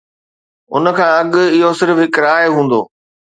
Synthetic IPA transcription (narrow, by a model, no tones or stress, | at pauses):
ʊ̰n̆kʰãːɐɠɪɦosɪɾəfɪkɾaːeɦũːn̆d̪o̰ː